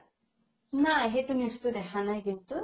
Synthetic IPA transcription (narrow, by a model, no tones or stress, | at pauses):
naeɦet̪unist̪ud̪ɛkʰanajkint̪u